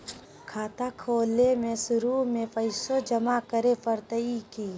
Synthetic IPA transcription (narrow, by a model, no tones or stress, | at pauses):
kʰaːt̪akʰoːlemẽsʊɾumẽpəɪsod͡ʒɐmakəɾepəɾt̪əiki